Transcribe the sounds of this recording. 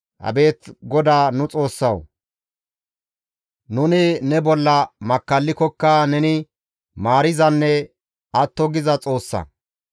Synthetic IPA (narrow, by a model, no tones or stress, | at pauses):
ʔɐ̰be̞ːt̪ɡɔd̪aːnʊt͡sʼo̞ːsːɐw | nʊnɪnɛbɔlːɐmɐkːɐlːɪkɔkːɐnɛnɪ | maːɾɪzɐnːɛ | ɐt̪ːɔɡɪzɐt͡sʼo̞ːsːɐ̰